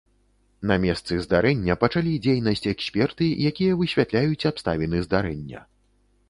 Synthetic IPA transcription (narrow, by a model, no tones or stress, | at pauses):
nɐmʲɛst̪sɨzd̪aɾɛnʲːɐpɐt͡ʂalʲid͡zʲejnɐsʲt͡sʲɛksʲpʲɛrt̪ɨjakʲijɐvɨɕʲvʲat̪lʲajut͡sʲapst̪avʲinɨzd̪aɾɛnʲːɐ̰